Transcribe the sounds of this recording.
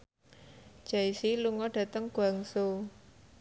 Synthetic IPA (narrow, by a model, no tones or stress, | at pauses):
d͡ʒ̥aisiluŋɔɖ̥ä̤t̪əŋɡ̥aŋso